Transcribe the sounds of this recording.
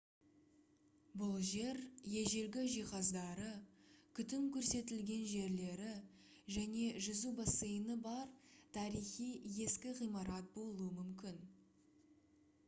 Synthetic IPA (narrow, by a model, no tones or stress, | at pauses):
bʊlˠʒe̞ɾje̞ʒe̞ɾɡʲɪʒijχɑzd̪ɑɾəkʲʰʏt̪ɪmkʲʰɵɾse̞t̪ɪlɡʲe̞nʒe̞ɾle̞ɾɪ | ʒæne̞ʒʏzubɑsejənəbɑɾt̪ʰɑɾijχijje̞skʲɪʁijmɑɾɑt̪̚bo̞lˠuəmʏmkʲɪn